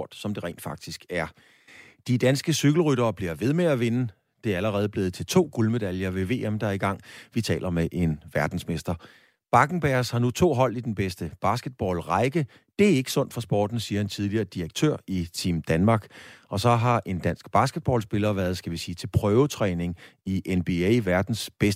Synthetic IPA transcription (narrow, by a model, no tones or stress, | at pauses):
d̥sɒ̽md̥e̝ʁɛ̰ɪnd̥fɑ̈ɡ̥̚d̥isɡ̥æɐ | d̥id̥ænsɡ̥əsyɡ̥l̩ʁyɾɐːb̥liɐ̰ʋe̝ð̞ˠmeæʋenə | d̥e̝æɐæləʁɛːð̞̩ˠb̥le̝ːð̩ˠt͡sʰe̝lt͡sʰo̝̰ːɡ̥ulme̝d̥æljɐʋe̝ʋe̝̰ːemd̥ɑiɡ̥ɑ̈ŋ̰ʋit͡sʰɛ̰ːlɐmeʔe̝nʋæɐd̥n̩sme̝sd̥ɐ | b̥ɑ̈ɡ̥n̩b̥æɐshɑ̈nut͡sʰo̝̰ːɦɒ̽l̰id̥enb̥esd̥əb̥ɑ̈sɡ̥əd̥̚b̥ɒ̰ːlʁɑ̈ɪɡ̥ə | d̥e̝æɐe̝ɡ̥əsɔ̽n̰d̥fɒ̽sb̥ɒ̰ːd̥n̩siːɐhænt͡sʰið̞ˠliɐːd̥iʁeɡ̥̚t͡sʰø̰ɐ̰it͡sʰḭːmd̥ænmɑ̈ːɡ̥ɒ̽sɒ̽ɦɑ̈ʔe̝nd̥ænsɡ̥b̥ɑ̈sɡ̥əd̥̚b̥ɒ̰ːlsb̥e̝lɐʋæːɐð̞ˠsɡ̥æʋisiːt͡sʰe̝lpʰʁœːʊət͡sʰʁɛːne̝ŋiʔenb̥eeʋæɐd̥n̩sb̥es